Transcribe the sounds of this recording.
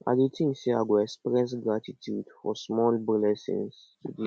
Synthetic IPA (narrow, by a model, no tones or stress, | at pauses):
a̰dutʰĩnsiaɡɔɛkspɹɛ̃nsɡɹatitʰjudfɔsmɔlbilɛsḭ̃ns | tudi